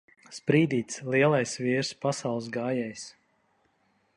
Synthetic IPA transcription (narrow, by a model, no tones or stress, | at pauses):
spɾiːd̪iːt̪slˠiɛlˠajsviːɾspasawlˠsɡaːjɛjs